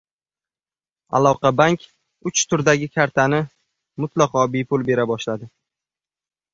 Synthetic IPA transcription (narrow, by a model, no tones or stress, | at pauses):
a̰lˠɒqʰɑbaŋkʲ | ʊt͡ʃt̪ʰʊɾd̪aɡʲɪkʲʰaɾt̪ʰanɪ | mʊt̪lɑqɒbejpʰʊlˠbe̞ɾabɒʃlad̪ɪ